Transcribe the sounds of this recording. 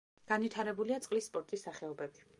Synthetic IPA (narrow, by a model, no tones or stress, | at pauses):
ɡ̥anvit̪ʰaɾɛbuliat̪sʼqʼlisːpʼɔɾt̪ʼisːaχɛɔbɛbi